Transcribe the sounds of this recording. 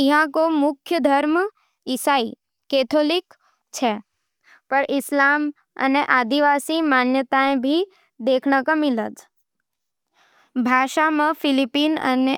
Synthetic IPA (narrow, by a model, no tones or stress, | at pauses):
ɪɦãkomʊkʰjəd̪ʱəɾm | ɪsaːi | keːt̪ʰoːlɪk | t͡ʃʰe | pəɾʔɪslaːm | ə̰neʔaːd̪iʋaːsimaːnjət̪aẽbʱi | d̪eːkʰɳəkãmɪlət̪ | bʱaːʃamə̃fʰɪlipiːnə̰ne